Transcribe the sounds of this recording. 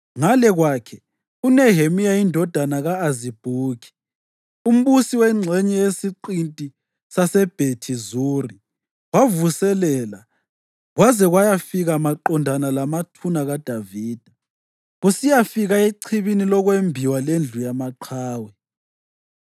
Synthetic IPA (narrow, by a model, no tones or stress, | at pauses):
ŋalɛɣwaːkʰɛ | unɛɦemijaindʱɔd̥ʱanaɣaːzib̥ʱuːki̥ | um̩βusiwɛŋ͡ǀʱɛɲɛjesiǃintʼi | sasɛb̥ʱetʰizuri | wavusɛlɛla̰ | ɣwazɛɣwajafiɣamaǃɔndʱanalamatʰunaɣad̥ʱaviːd̥ʱa | ɣusijafiɣaeǀʰiβinilɔɣwembʱiwalend͡ɮʱujamaǃʰaːwɛ